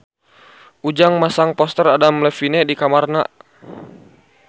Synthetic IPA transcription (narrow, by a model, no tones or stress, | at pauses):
ʔud͡ʒaŋmasaŋpɔst̪əradamlɛfinɛdikamarnaʔ